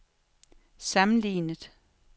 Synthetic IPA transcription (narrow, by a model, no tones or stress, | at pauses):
sɑmn̩lḭːnəðˠ